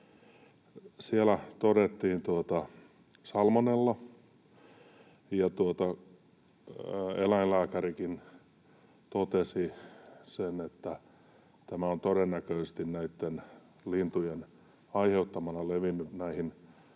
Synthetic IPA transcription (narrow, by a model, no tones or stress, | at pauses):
sielæt̪odet̪ːiːnt̪uot̪ɑ | sɑlmonelːɑ | jɑt̪uot̪ɑ | elæinlæːkærikin | t̪ot̪esisenet̪ːæ | t̪æmæont̪oɾenːækøˑist̪innæit̪ːen | lint̪ujen | ɑiheut̪ːɑmɑnɑleʋinːyt̪næihin